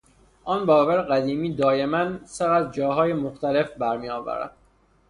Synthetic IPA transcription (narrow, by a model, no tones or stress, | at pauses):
ʔɒːnbɒːvæɾeɣæd̪iːmiːd̪ɒːje̞mænseɣæt̪d͡ʒɒːɦɒːjemoxt̪æle̞fbæɾmiːɒːvæ̰ɾæ̰d̪̥̚